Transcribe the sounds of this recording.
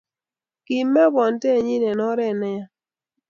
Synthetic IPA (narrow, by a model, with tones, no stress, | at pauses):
ki˨mːɛ˦bɔ˨ntɛ˦˨ɲi˦nɛ˨nɔ˦ɾɛ˨nɛ˦˨